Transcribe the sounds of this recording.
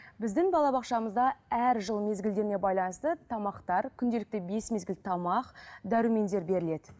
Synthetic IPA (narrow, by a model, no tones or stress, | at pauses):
bɪzd̪ɪŋbɑlˠɑbɑqʃɑməzd̪ɑæɾʒəlˠme̞zɡʲɪld̪e̞ɾɪnebɑjlˠɑnəst̪ət̪ʰɑmɑqt̪ɑɾkʲʰʏnd̪e̞lɪk̚t̪ɪbe̞smezɡʲɪlt̪ʰɑmɑqd̪œɾume̞nd̪e̞ɾbe̞ɾɪle̞d̪ɪ